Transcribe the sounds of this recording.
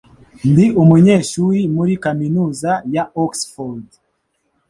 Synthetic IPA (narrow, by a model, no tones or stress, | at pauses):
ndiumuɲe̞ːʃuɾimuɾikaminuːzajaoksfoɾld